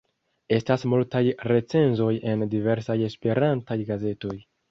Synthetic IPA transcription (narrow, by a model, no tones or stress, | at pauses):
e̞stasmultajɾe̞t͡se̞nzo̞je̞ndive̞ɾsaje̞spe̞ɾantajɡaze̞to̞j